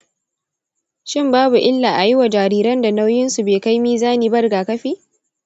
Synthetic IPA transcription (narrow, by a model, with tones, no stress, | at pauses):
ʃɪ˦mbaː˦bu˨ʔɪ˦lːaː˨ʔa˨jɪ˦wa˨d͡ʒaː˨ɾiː˦ɾɐ˦nda˨na˦wjɪ˦nsu˨beː˨ka˦jmiː˦zaː˦niː˨bɐ˦rɡaː˨kɐ˦ɸiː˦